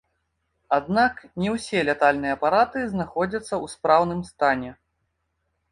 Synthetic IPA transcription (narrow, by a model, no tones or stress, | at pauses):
ad̪̚naknʲɛwsʲɛlʲɛt̪alʲnɨjɐpaɾat̪ɨznaxɔd͡zʲɐt̪sːɐwspɾawnɨmst̪anʲɛ